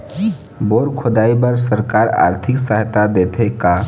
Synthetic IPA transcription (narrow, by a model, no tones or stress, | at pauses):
boɾkʰod̪aibəɾsəɾkaɾa̰ɾt̪ʰɪksəɦt̪ad̪et̪ʰeka